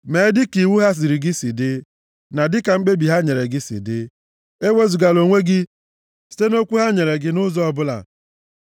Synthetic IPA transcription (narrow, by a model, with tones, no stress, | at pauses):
me˨˦dɪ˦ki˨wu˦ɦa˦s̬i˨ɾi˨ɡɪ˦si˨dɪ˦ | na˨dɪ˦ka˨ŋ͡m̩˦k͡pe˦bi˨ɦa˦ɲe˨ɾe˨ɡɪ˦sḭ˨dɪ˦ | e˦we˦zu˨ɡa˨lo˨ŋʷe˦ɡɪ˦ | si̥˨te˦no˦kʷu˦ɦa˦ɲe˨ɾe˨ɡɪ˨nʊ˦zɔ˦ɔ˦bʊ˦la̰˨